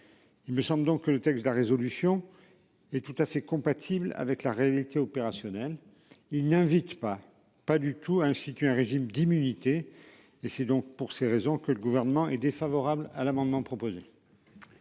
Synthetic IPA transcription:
ilməsɑ̃bləd̪ɔ̃kːələt̪ɛksd̪əlaʁezɔlysjɔ̃ | ɛt̪ut̪afɛkɔ̃pat̪ʰibla̰vɛklaʁealit̪eɔpeʁasjɔnɛl | ilnɛ̃vit̪pa | pad̪yt̪ʰuaɛ̃st̪it̪ɥeɛ̃ʁeʒimd̪imynit̪e | esɛd̪ɔ̃k̚puʁseʁezɔ̃kələɡuvɛʁnəmɑ̃ʔɛd̪efavɔʁabla̰lamɑ̃d̪mɑ̃pχɔpoze

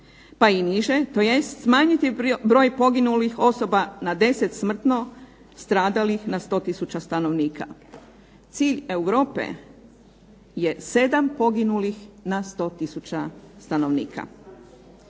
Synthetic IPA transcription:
painiʒet̪o̞jest̪smaːɲit̪ibɾo̞ːjpo̞ɡinulixo̞so̞banad̪e̞set̪smr̩t̪no̞ | st̪ɾaːd̪alixnast̪o̞ːt̪isut͡ɕast̪ano̞ʋniːkʰa̰ | t̪siːʎe̞uʋɾo̞ːpḛ | je̞se̞d̪ampo̞ɡinulixnast̪o̞ːt̪isut͡ɕast̪ano̞ʋnḭːkʰa̰

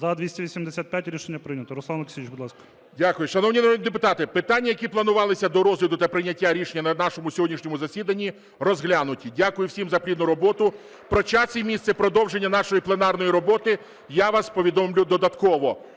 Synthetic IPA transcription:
zɐd̪ʋʲisʲtʲɐʋʲisʲimd̪esʲat̪pjatʲɾʲiʃenʲːɐpɾɪjnʲɐt̪ɔɾɔslˠɑnlˠɐksʲiit͡ʃbud̪lˠɑskɐ̥ | dʲakʊjʊʃɐnɔwnʲinɐɾɔd̪nid̪epʊt̪ɑt̪ɪpɪt̪anʲːɐjɐkʲiplˠɐnʊʋɑlˠɪsʲɐd̪ɔɾɔzlʲɐd̪ʊt̪ɐpɾɪnʲɐtʲːaɾʲiʃenʲːɐnɐnɑʃɔmʊsʲɔɦɔdʲnʲiʃnʲɔmʊzɐsʲid̪ɐnʲːi | rɔzɦlʲanʊtʲidʲakʊjʊwsʲimzɐpɾʲid̪nʊɾɔbɔt̪ʊ | pɾɔt͡ʃasʲimʲist̪sɛpɾɔd̪ɔwʒenʲːɐnɑʃɔjiplˠenɑrnɔjiɾɔbɔt̪ɪ | jaʋaspɔʋʲid̪ɔmlʲʊd̪ɔd̪ɐt̪kɔʋɔ

